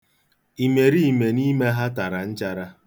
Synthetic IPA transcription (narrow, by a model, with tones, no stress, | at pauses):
i˨me˨ɾi˦˨me˨ni˦me˦ɦa˦ta˨ɾa˨n̩˦t͡ʃa˦ɾa˦